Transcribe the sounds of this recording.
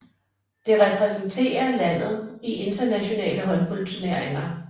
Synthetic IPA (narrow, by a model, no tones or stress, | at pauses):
d̥e̝ʁɛpʰʁɛsn̩t͡sʰe̝̰ːɐlæn̰ð̞̩ˠiʔe̝nd̥ɐnæɕo̝nɛ̰ːləɦɒ̽npʰolt͡sʰuneɐ̰eŋɐ